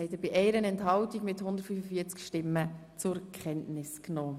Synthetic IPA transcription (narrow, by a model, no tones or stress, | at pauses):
ɛɪtəb̥ɪʔɛɪɾənɛnthɑwtiɡmɪthʊndəɾtfyːfəfiət͡skʃtɪmːə | t͡sʊɾkχɛntnɪsknɔː